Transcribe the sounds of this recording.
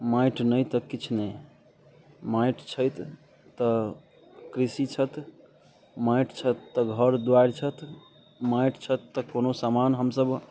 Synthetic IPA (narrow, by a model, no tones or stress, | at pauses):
majʈʰnəjt̪əkit͡ʃʰne | majʈʰt͡ʃʰəjt̪ː | ə | kɾisit͡ʃʰət̪ | majʈt͡ʃʰət̪ːəɡʱəɾd̪waɾt͡ʃʰət̪ | majʈt͡ʃʰət̪ːəkonosamanɦəmsəb